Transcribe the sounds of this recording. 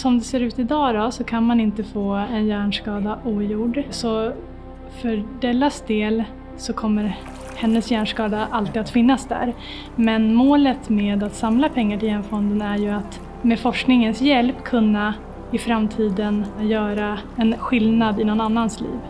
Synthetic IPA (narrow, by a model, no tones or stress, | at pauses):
sɔmd̪ɛseːɾʉ̟ːt̪ɪd̪ɑːd̪ɔsɔkʰanmanɪnt̪əfoːɛnjæːɳʂkɑːd̪aʔuːjuːɖsɔ | fœɾɖɛlːasd̪eːl | sɔkʰɔmːəɾ | hɛnːəsjæːɳʂkɑːd̪aʔalt̪iːd̪at̪fɪnːasd̪æ̰ɾ | mɛnmoːlət̪meːd̪at̪samlapʰɛŋːaʈʰɪljɛnfɔnd̪ənæɾjɵat̪ | meːfɔʂknɪŋənsjɛlpːkʰɵnːa | ɪfɾamt̪ʰiːd̪ənjœːɾaɛnɧɪlnad̪ɪnɔnanːanslḭːv